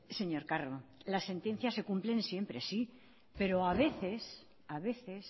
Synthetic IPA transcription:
se̞ɲo̞ɾkarolasːe̞nt̪e̞n̟θjase̞kumple̞nsje̞mpɾesi | pe̞ɾo̞aβe̞θe̞s | aβe̞θe̞s

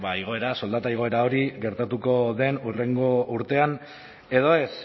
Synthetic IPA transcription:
baiɣ̞o̞e̞ɾaso̞ld̪at̪aiɣ̞o̞e̞ɾao̞ɾiɣe̞ɾt̪at̪uko̞ðe̞nure̞ŋɡo̞uɾt̪e̞an | e̞ð̞o̞e̞s

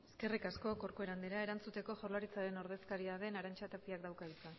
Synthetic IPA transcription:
eske̞rikasko̞ko̞ɾkoe̞ɾand̪eɾae̞ɾant͡sut̪e̞ko̞ʝo̞rlaɾit͡saɾe̞no̞ɾð̞e̞skaɾiaðe̞naɾant͡ʃat̪apiakd̪awkaɣit͡sa

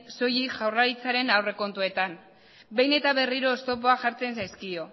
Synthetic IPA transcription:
so̞jiʝawraɾit͡saɾe̞nawre̞ko̞nt̪ue̞t̪an | be̞jne̞t̪aβe̞riɾo̞ːst̪o̞p̬o̞aʝaɾt͡se̞nsajskio̞

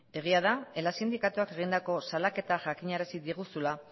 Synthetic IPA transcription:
e̞ɣ̞iaðae̞lasind̪ikat̪uake̞ɣ̞ind̪ako̞salake̞t̪aʝakiɲaɾasiðiɣusula

